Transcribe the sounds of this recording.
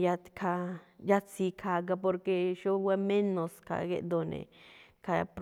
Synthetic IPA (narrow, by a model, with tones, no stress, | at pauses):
ja˦t̪kʰa˧ja˦t̪si˧kʰa˨ɡa˧p̬o˧ɾke˧ʃo˦we˦me˦no˨ska̰˨ɡḛ˦d̪o˨nḛ˨ka˧pɾ